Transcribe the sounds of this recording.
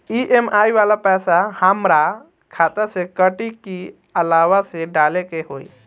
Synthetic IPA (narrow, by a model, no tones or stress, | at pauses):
iʔemʔajʋalapɛsahəmɾa | kʰat̪əɾsekəʈiki | əlaʋaseɖalekeɦoj